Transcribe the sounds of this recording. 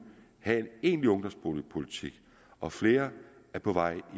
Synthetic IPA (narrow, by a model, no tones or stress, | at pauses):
hæe̝ne̝̰ːnliɔ̽ŋd̥ɒ̽msb̥ʰolpʰo̝lit͡sʰiɡ̥ | ʔɒ̽fle̝ːɐ | æɐpʰɒ̽ʋɑ̈ɪ̰i